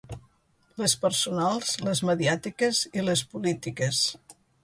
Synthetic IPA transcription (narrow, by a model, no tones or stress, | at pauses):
ləspəɾsunalˠzləzməðiat̪ikəziləspulit̪ikəs